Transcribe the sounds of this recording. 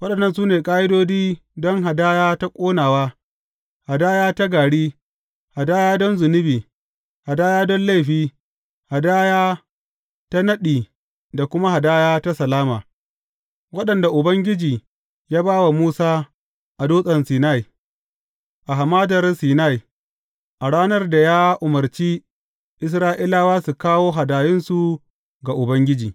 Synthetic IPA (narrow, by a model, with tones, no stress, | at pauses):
wɐ˦ɗɐ˨nːɐ˦˨nsuː˦neː˨kʼaː˦ʔɪ˦doː˦d͡ʒiː˦dɔ˦ŋɦa˨daː˦jaː˦ta˦kʷʼoː˦naː˨waː˦ | ha˨daː˦jaː˦ta˦ɡaː˨ɽiː˦ | ha˨daː˦jaː˦dɔ˦nzʊ˨nɪ˦biː˨ | ha˨daː˦jaː˦dɔ˦nla˦˨jɸiː˦ | ha˨daː˦jaː˦ | ta˦nɐ˦ɗiː˨ | da˨kʷʊ˦ma˦ha˨daː˦jaː˦ta˦sɐ˨laː˦maː˨ | wɐ˦ɗɐ˨nda˨ʔʊ˨bɐ˦ŋɡʲɪ˦d͡ʒiː˨ | jaː˦baː˦wa˨muː˦saː˦ | ʔa˨doː˦sʼɐ˨nsiː˨na˦˨i˨ | ʔa˨ɦa˨maː˦dɐ˨rsiː˨na˦˨j | ʔa˨ɽaː˦nɐ˦rda˨jaː˦ʔʊ˨mɐ˨rt͡ʃiː˦ | ʔɪ˦s̬ɾaː˦ʔi˦laː˦waː˦su˨kaː˦woː˦ɦa˨daː˨jɪ˦nsu˨ | ɡa˨ʔʊ˨bɐ˦ŋɡʲɪ˦d͡ʒiː˨